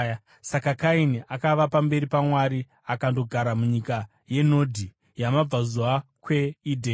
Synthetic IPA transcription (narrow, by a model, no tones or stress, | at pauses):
sakakainiakaʋapambe̞ɾipamwaɾi | akando̞ɡʱaɾamuɲika | je̞no̞dʱi | jamab͡vazuwakwe̞idʱeː